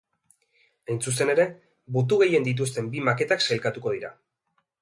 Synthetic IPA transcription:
ajnt͡sust̪e̞ne̞ɾe̞ | but̪̬uɣe̞je̞nd̪it̪̬ust̪e̞mbimake̞t̪akselkat̪uko̞ð̞iɾa

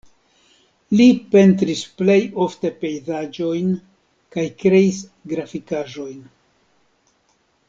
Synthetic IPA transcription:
lipe̞ntɾisple̞jo̞fte̞pe̞jzad͡ʒo̞jn | kajkɾe̞isɡɾafikaʒo̞jn

